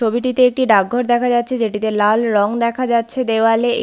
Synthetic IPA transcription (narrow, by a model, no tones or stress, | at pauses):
obiʈit̪eek̚ʈiɖak̚ɡʱoɾd̪ɛkʰad͡ʑatːɕʰed͡ʑeʈit̪elalɾɔŋd̪ɛkʰad͡ʑatːɕʰed̪eoale